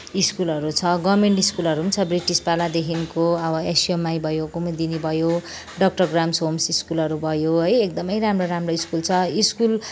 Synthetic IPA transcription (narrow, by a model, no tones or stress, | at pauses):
iskulʌɾut͡sʰʌɡʌmeɳʈiskulʌɾuɦunt͡sʰʌbriʈispalad̪ekʰinkoʌbʌesiemːajbʱʌjokumd̪inibʱʌjo | ɖʌk̚ʈʌrɡramsɦomsiskulʌɾubʱʌjoɦʌjekd̪ʌmʌjramroɾamroiskult͡sʰʌiskul